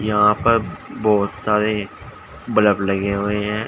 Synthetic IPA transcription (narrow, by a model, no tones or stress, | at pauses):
jəɦãːpəɾbɔːt̪saːɾeː | bələpləɡeɦoːeɦɛ̃ː